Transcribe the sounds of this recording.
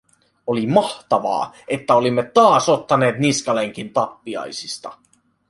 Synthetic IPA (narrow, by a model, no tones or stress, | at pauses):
olimɑht̪ɑʋɑ̰ːe̞t̪ːæo̞limːet̪ːɑːso̞t̪ːɑne̞ːt̪niskɑle̞ŋk̟int̪ɑpːiɑ̰jsist̪ɑ̰